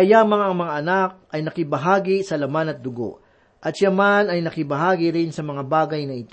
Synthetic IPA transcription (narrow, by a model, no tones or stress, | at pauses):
kɐjamɐŋaʔɐŋmɐŋaʔɐnak̚ʔɐjnɐkɪbɐɦaːɡisɐlɐmanɐt̪̚d̪ʊɡo̞̰ʔ | ʔɐt̪ʃɐmanɐjnɐkɪbɐɦaːɡɪɾɪnsɐmɐŋabaːɡɐjnɐʔɪt̪o